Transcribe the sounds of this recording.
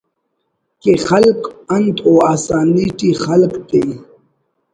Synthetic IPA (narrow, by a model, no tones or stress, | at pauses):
kexalkɐnt̪oaːsaːniʈixalkt̪e